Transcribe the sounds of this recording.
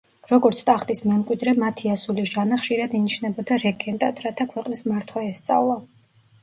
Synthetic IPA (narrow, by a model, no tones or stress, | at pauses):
ɾɔɡɔɾt̪sʰt̪ʼaχt̪ʼismɛmkʼwid̪ɾɛmat̪ʰiasuliʒanaχʃiɾad̪iniʃnɛbɔd̪aɾɛɡɛnt̪ʼat̪ɾat̪ʰakʰwɛqʼnismaɾt̪ʰwaɛst̪sʼa̰vlˠa